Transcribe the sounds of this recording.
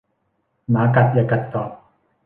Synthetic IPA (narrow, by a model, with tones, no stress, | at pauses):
maː˨˦ka˨˩t̪̚ja˨˩ka˨˩t̪ːɔː˨˩p̚